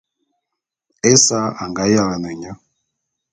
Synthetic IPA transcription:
e˦sa˦a˨ŋɡa˨˦ja˦˨la˨ne˨ɲa˦

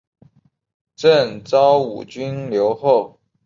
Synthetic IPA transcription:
ʈ͡ʂə˥˨ŋt͡sɑ˦˥ʊṵ˨˩t͡ɕy˥nljo˧˥ʊxo˥˨ʊ

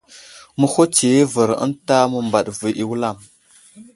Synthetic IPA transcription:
mə˦ho˦t͡ʃe˨e˦və˨ɾə̰˦nta˦mə˨mba˨ɗvi˨ʔi˨wu˦la˦˨m

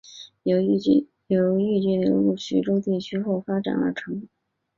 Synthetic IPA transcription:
jo˨˧˩ʊ˥˧˥ | jo˧˩˥ʊy˥˧t͡ɕɛ˥˩njo˧˥ʊlu˥˩ɕy̰˧˥ʈ͡ʂo˥ʊt̪i˥˩t͡ɕʰy˥xo˥˩ʊfa˥ʈ͡ʂa̰˨˩nə̰˧˥ʈ͡ʂʰɤ˧˥ŋ˥˩

